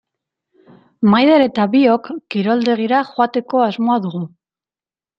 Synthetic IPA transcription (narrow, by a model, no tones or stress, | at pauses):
majðeɾe̞t̪aβio̞kːiɾo̞ld̪e̞ɣ̞iɾaxoat̪e̞ko̞azmo̞aðuɣ̞u